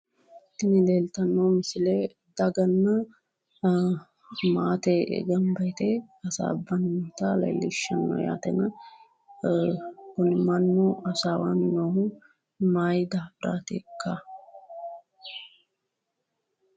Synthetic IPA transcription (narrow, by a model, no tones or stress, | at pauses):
t̪ːɪnɪd̪eːlt̪ɐnːoːmɪsɪleː | d̪ɐɡɐnːɐ | maːt̪eʔɛ̰ɡɐmbɐjt̪ɛɐsa̰ːbːɐnːot̪ɐlɐ̰jlːɪʃːɐnːo̰ja̰ːt̪ɛ̰nɐ | kʊnɪmɐnːoɐsaːwaːnɪnoːhʊ | maːjd̪aːbɪɾa̰ːt̪ḛːkːa